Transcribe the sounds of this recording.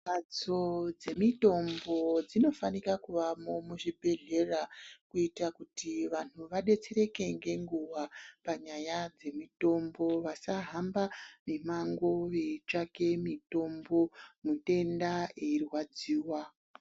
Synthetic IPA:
pat͡so̞d͡ze̞mito̞mbo̞d͡zino̞fanikakuʋamo̞muʐibʱe̞ɮe̞rakuitakutiʋan̥̤uʋaɗe̞t͡se̞ɾe̞ke̞ŋɡe̞ŋɡuʋapaɲajad͡ze̞mito̞mbo̞ʋasaɦambamimaŋɡo̞ʋet͡ʃake̞mito̞mbo̞mute̞ndaeirwad͡ziːwa

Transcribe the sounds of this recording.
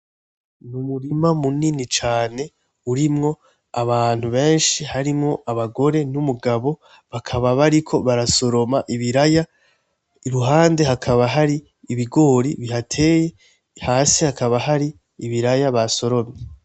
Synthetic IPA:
numuɾimamuninit͡ʃaːne̞ | uɾimŋo̞ | aβaːn̥huβe̞ːnʃihaɾimŋo̞ʔaβaɡo̞ɾe̞numuɡaβo̞ | βakʰaβaβaɾikʰo̞βaɾaso̞ɾo̞maʔiβiɾaja | iɾuɦaːnde̞ɦakʰaβaɦaɾiː | βiɡo̞ːɾiβiɦatʰe̞ːje̞ | haːsihakaβaɦaɾi | iβiɾajaβaso̞ɾo̞mɲe

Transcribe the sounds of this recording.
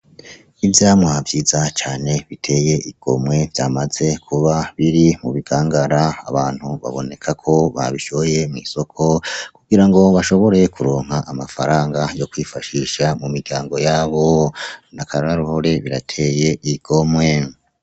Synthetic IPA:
ivjaːmwavjiːzat͡ʃaːneβitʰe̞ːje̞ʔiɡ̥o̞̰mwe̞vjaːmaze̞kʰuβaβiɾimuβiɡ̥aːŋɡaɾaa̰βaːn̥huβa̰βo̞̰ne̞kʰakʰo̞βa̰βiʃooje̞mŋḭso̞kʰo̞kuɡiɾaŋɡo̞βaʃo̞βo̞ɾe̞kuɾoːŋ̥ɦaʔːmafaɾaːŋɡajo̞kwiːfaʃiʃamumiɾɡɟaːŋɡo̞jaːβo̞nakʰaɾaɾaɾuhoɾe̞βiɾatʰe̞je̞ʔiɡ̥o̞mŋe̞

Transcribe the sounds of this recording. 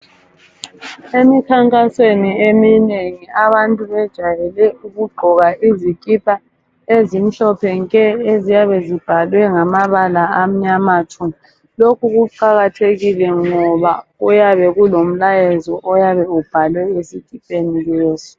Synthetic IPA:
emikʰaŋkʼasweniemineŋiaβantʼuβɛd̥ʒ̥ʱajɛlɛuɣuɡ͡ǃʱɔɣaizikʼipʼa | ezim̩ɬɔpʰɛŋkʼɛezijaβɛzib̥ʱalwɛŋamaβalaam̩ɲamatʰu | lokʰuɣuǃaɣatʰeɣilɛŋɔβaɣujaβɛɣulom̩lajɛzɔʔɔjaβɛub̥ʱalwɛesikʼipʼenileːzɔ̥

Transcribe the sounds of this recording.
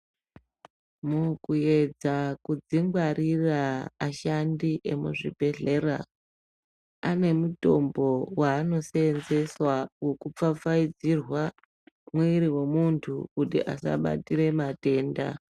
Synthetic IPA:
mukuje̞d͡zakud͡ziŋɡwaɾiraaʃandiʔe̞mṵʐḭbʱe̞ɮe̞ra | ane̞muto̞mbowaːno̞seenze̞swawo̞kup͡fap͡faid͡zirwa | mwiiɾiwe̞muntʰukutḭʔa̰sa̰ɓa̰tiɾe̞mate̞ːnda̰

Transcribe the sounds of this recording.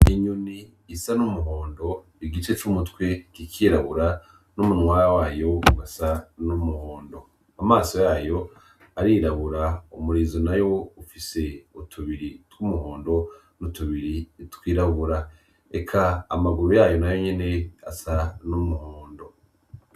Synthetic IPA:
iɲuniː | sanumuɦoːndo̞ | iɡit͡ʃe̞t͡ʃumutwekikʰiːɾaβuɾa | numunwaːɾawaːjo̞wasanumuhoːndo̞ | amaːso̞jaːjo̞ | aɾiɾaβuɾaumuɾizonajo̞ufise̞utʰuβiɾitwumuɦoːndo̞ | nutuβiɾitwiːɾaβuɾa | ḛkʰa̰ːmaɡuɾujaːjo̞najo̞ɲe̞ne̞a̰sanumuhoːndo̞

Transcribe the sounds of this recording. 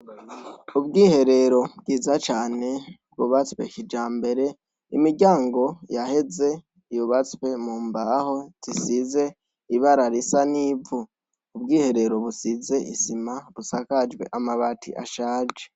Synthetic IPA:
ubɡiːhe̞ɾe̞ɾo̞bɡiːzat͡ʃaːne̞bɡuβat͡swe̞ʃid͡ʒaːmbe̞ɾe̞ | imiɟaːŋɡo̞jahe̞ze̞ | ijuβat͡swe̞muːmbaho̞tʰisize̞ | iβaɾaɾisaniːvuː | bɡiːhe̞ɾe̞ɾo̞βusize̞ʔḭsimaβusakad͡ʒwe̞̰ʔamaβatḭʔa̰ʃaːd͡ʒe

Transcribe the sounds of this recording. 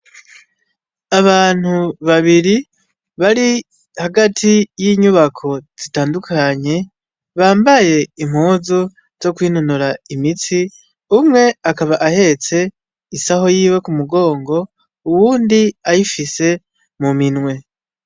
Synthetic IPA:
aβaːn̥huβaβiɾi | βaɾi | haɡatʰijiːɲuβakʰo̞z̥itaːndukʰaɲe̞ | βaːmbaje̞im̥huːzu | z̥o̞kwiːnunuɾaimit͡si | umŋe̞akaβaʔahe̞t͡se̞ | isaɦo̞jiːwe̞kumuɡo̞ːŋɡo̞ | uwuːndiajifise̞ | muminwe̞

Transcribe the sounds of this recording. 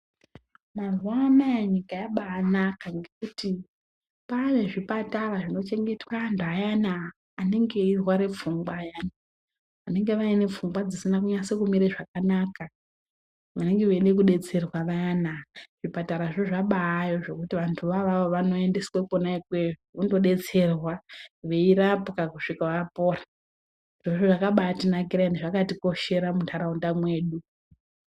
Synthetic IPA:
maruamaaɲikajaɓaːnakaŋɡekuti | pane̞ʐipataraʐino̞t͡ʃe̞ŋɡe̞twaːntuajanaː | ne̞ŋɡe̞irwaɾe̞p͡fuŋɡwajana | ʋane̞ŋɡe̞ʋaine̞p͡fuŋɡwad͡zisinakuɲasekumiɾeʐakanaka | ʋane̞ŋɡeʋenekuɗe̞t͡se̞rwaʋaanaʐ̥ipataɾaʐoʐaɓaːjoʐe̞kutiʋantʰuʋaʋaoʋano̞e̞ndesiwekonaikwe̞ʐoundo̞ɗe̞t͡se̞rwaʋe̞iɾapukakuʂikaʋapoːra | nd̥oʐoʐakaɓatinakiɾandeʐakatiko̞ʃe̞ɾamuntʰaɾaundamwe̞ːɗu

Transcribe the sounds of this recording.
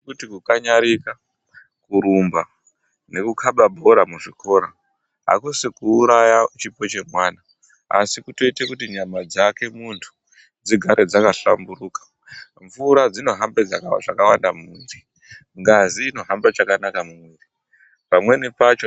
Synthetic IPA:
kutikukaɲaɾika | kuɾumba | ne̞kukʰaɓabʱo̞ɾamuʐikʰo̞ɾa | ɦa̰kusikuːɾajat͡ʃipo̞t͡ʃe̞mwaːna | a̰sikuto̞itekutiɲamad͡zake̞muntʰu̥ | d͡ziɡʱaɾed͡zakaɬa̰mbuɾuːkḁ | ɱvuɾad͡zino̞ɦambed͡zaʐakawandamumwiːri | ŋɡaziːno̞ɦambat͡ʃakanakamumwiːri | pamwe̞nepat͡ʃo

